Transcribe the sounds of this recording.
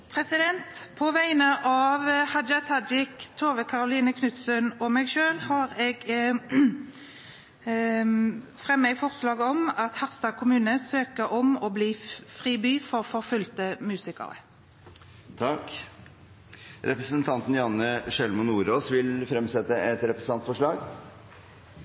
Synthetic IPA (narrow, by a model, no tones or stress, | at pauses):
pʰʁɛsɪd̪ɛnt̪pʰɔʋæɪnəʔɑʋhɑd͡ʒɑt̪ʰɑd͡ʒɪkt̪ʰoːʋəkʰɑʁʊliːnəkʰnʉt̪sənɔmɛɡʃøːlhɑːʁɛɡ | fʁɛmːəɡfɔʁslɑːɡəɔmɑt̪hɑʁst̪ɑːkʰʊmʉːnəsøːkəɾɔmɔbliːfʁiːbyːfɔʁfɔʁfʉlt̪əmʉːsɪkə̰ʁə̰ | t̪ʰɑk | ɾɛpɾəsənt̪ʰɑnt̪n̩jɑnːəʂɛlmʊnuːɾoːsʋɪlfɾɛmsɛt̪ːəɛt̪ɾɛpɾəsn̩ɑnt̪fɔʂɭɑːɡ